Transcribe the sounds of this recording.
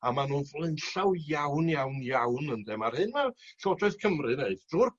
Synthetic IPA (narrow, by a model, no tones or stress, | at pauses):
amanuvɔlˠɨnɬawjawnjawnjawnəndɛmarhɨnmaɬɔdrɔɨθkʰəmrɨneɨθdruːr